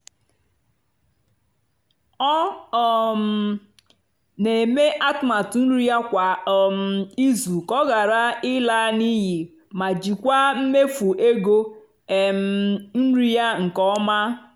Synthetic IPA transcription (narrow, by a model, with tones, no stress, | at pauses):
ɔ˦ɔ˨m̩˨ | ne˨me˦ʔa˦tma˨tn̩˦ɾi˦ja˦kʷa˨ɔ˨m̩˨i˦zu˨kɔ˦ɣa˨ɾa˦ɪ˦la˦ni˦ji˨ | ma˨d͡ʒi˨kʷa˦m̩˦me˦fu˨ʔe˦ɡo˦˨ | m˨n̩˦ɾi˦ja˦ŋ̩˨kɔ˦ma˦